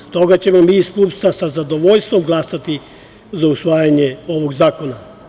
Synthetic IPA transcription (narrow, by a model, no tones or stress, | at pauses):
st̪o̞ɡat͡ɕemo̞miːispuːpst̪asazad̪o̞ʋoʎst̪ʋo̞mɡlasat̪i | zausʋaːjaɲeo̞ʋo̞ɡzaːko̞na